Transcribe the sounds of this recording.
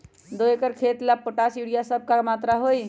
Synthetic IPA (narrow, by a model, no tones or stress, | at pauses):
d̪oekəɾkʰet̪lapːoʈasiɽijasəb̚ʱkaɾmat̪ɾaɦoj